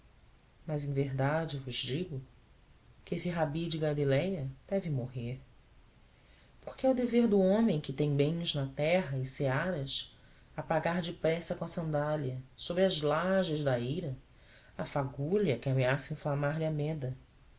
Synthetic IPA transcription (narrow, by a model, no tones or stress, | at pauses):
mɐzẽj̃veɦd̪ad͡ʒɪvʊʒd͡ʒiɡʊ | kɪesɪɦabid͡ʒɪɡalilɛjɐd̪̥ɛvɪmoɦeɾ | poɾkɪɛɐwd̪eveɾd̪ʊõmẽj̃kɪt̪ẽj̃bẽj̃znɐt̪ɛɦɐɪseaɾɐs | ɐpaɡaɾd͡ʒɪpɾɛsɐkõɐsɐ̃nd̪aliɐsobɾɪɐzlaʒɐʒd̪ɐejɾɐ | ɐfaɡulɐkɪameasɐĩflamaɾlɪɐmɛd̪ɐ